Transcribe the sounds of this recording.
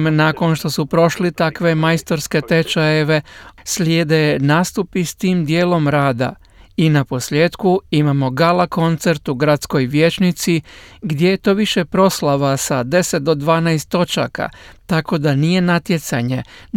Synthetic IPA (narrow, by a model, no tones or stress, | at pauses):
mnaːko̞nʃt̪o̞supɾo̞ʃlit̪akʋe̞majst̪o̞ɾske̞t̪e̞t͡ʃaje̞ʋe̞slʲjeːd̪enaːst̪upist̪iːmd̪je̞ːlo̞mɾaːd̪a̰ | inapo̞sʎʲe̞ːt̪kuimamo̞ɡalako̞nt̪se̞ɾt̪uɡɾat̪sko̞jʋje̞t͡ʃnit̪siɡd̪ʲje̞jet̪o̞ːʋiʃe̞pɾo̞slaʋasad̪e̞set̪̚d̪o̞d̪ʋaːnajst̪ːo̞t͡ʃa̰ka̰t̪ako̞d̪anije̞nat̪je̞t̪saɲe̞